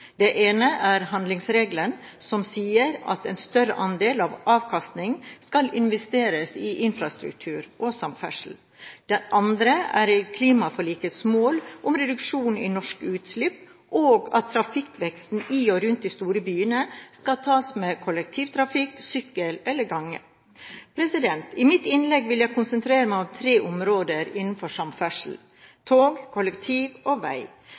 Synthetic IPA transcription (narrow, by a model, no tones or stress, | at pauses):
d̪̥ɛʔeːnəʔæɾɦɑnd̪lɪŋsɾeːɡlən | sɔmsiːəɾɑ̰t̪ɛnst̪œɾəʔɑnd̪eːlɑʋʔɑːʋkʰɑst̪nɪŋskɑlɪnʋɛst̪eːɾəsɪʔɪnfɾɑst̪ɾʉ̰k̚t̪ʰʉːɾʔosɑmpfæ̰ʂl̩ | d̪̥ɛʔɑnd̪ɾəæ̰ɾkʰliːmɑfɔɭiːkət̪smoːlʔʊmɾɛd̪ʉkʂuːn̩ḭnɔʂkʉːt̪slɪpː | ʔoːɡɑ̰t̪ʰːɾɑfɪkʋɛkst̪n̩iːɔɾʉnt̪̚d̪ist̪uːɾəbyːənəskɑt̪ʰɑːsmeːkʰɔlək̚t̪ʰiːʋt̪ʰɾɑfɪksʏkːəlɛlːəɡɑŋːə̰ | pʰɾɛsɪd̪ɛnt̪ɪmɪt̪ɪnlɛɡʋɪljæɪkʰʊnsənt̪ʰɾeːɾəmæɪɔmt̪ʰɾeːʔʊmɾoːd̪əɾɪnn̩fɔʂɑmfæʂl̩ | t̪ʰoːɡkʰɔləkt̪ʰiːʋoʋæ̰ɪ